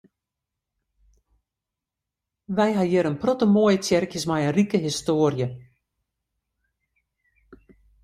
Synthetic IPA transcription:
ʋɛjɦajɪɾənprɔtəmoəjətjɛrkjəsmajərikəɦistoːərjə

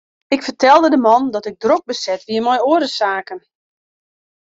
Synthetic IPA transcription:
ɪkfətʰɛlˠdədəmɔndɔtɪɡ̚drok̚bəsɛtʋiəmɔjoədəsaːkən

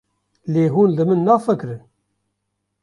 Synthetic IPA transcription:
leːɦuːnlɨmɨnːɑːfəkɾɨn

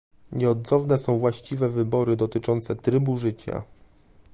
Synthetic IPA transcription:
ɲɛɔd̪zɔvnɛsɔ̃w̃vwaɕt͡ɕivɛvɘbɔɾɘd̪ɔt̪ɘt͡ʂɔnt̪sɛt̪ɾɘbuʐɘt͡ɕa̰

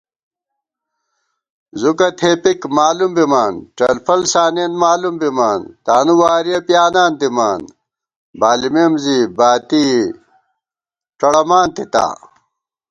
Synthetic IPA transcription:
zukɐt̪ʰeːpikmaːlumbimaːnʈɐlfɐlsaːneːnmaːlumbimaːnt̪aːnuwaːɾijɐpjaːnaːnd̪imaːn | baːlimeːmzibaːt̪iː | ʈ͡ʂɐɽɐmaːnt̪it̪a̰ː

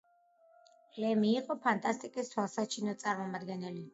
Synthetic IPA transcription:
lɛmiːqʼɔpʰant̪ʼast̪ʼikʼist̪ʰwalˠsat͡ʃʰinɔt̪sʼaɾmɔmad̪ɡɛnɛli

